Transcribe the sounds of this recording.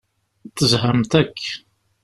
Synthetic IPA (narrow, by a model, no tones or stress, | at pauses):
θəzɦəmt̪ækː